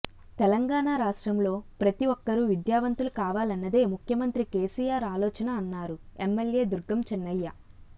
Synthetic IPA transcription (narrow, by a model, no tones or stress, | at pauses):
t̪ɛlɐŋɡaːɳaːɾaːʂʈɾɐmlo̞ːpɾɐt̪iʋɔkːɐɾuʋid̪jaːʋɐnt̪ulukaːʋaːlɐnːɐd̪e̞ːmukʰjɐmɐnt̪ɾike̞ːsijaːɾaːlɔːt͡ʃɐnɐːnːaːɾuemːelje̞ːd̪uɾɡːɐmt͡ʃɛnːɐjːɐ